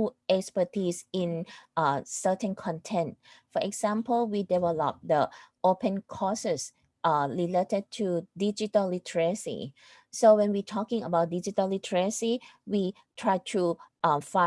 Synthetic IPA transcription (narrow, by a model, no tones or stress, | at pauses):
ɛkspətʰisĩn | sətə̃nkʰɔ̃ntʰɛ̃nt̚fɔʔɛksãmpəlwidɛvɛlɔ̰p̚dəopə̃nkʰɔsəs | aliletəd̚tʰudid͡ʒitəllitʰəɹəsḭ | sowɛ̃nwitʰɔkɪ̃ŋəbaʊt̚did͡ʒitəlitʰəɹəsiwi | tʰɹaɪtʰu | fa